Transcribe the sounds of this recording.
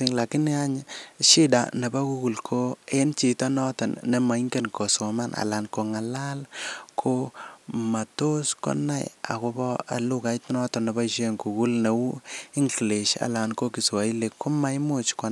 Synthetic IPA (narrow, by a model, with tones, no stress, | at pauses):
i˦ŋla˨ki˦ni˦a˦ɲʃi˦da̰˨ne˨ba˦ku˦ku˨lkʰo˦e˦nt͡ʃi˨tɔ˦nɔ˦tɔ˨nːe˨ma˨i˦ŋɡe˦nko˨so˨ma˦na̰˨la˨nko˨ŋa˨la˦lkʰo˦ma˨to˦skɔ̰˦na̰˦˨j̰a̰˨ko˧bɔ˦a̰˨lu˦ka˨˦itnɔ˦tɔ˨nːe˨ba˦iʃe˦ŋku˨ku˦lne˨wu˦i˦ŋɡle˨ʃa̰˨la˨nko˦ki˨swa˨i˦le˨kʰːo˦ma˦jmo˦˨t͡ʃkɔ˨˦